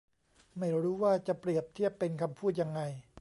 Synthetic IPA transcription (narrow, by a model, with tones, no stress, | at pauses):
ma˥˩jɾuː˦˥waː˥˩t͡ɕa˨˩pɾi˨˩əp̚t̪ʰi˥˩əpːe˧nkʰa˧mpʰuː˥˩t̪̚ja˧ŋːa˧j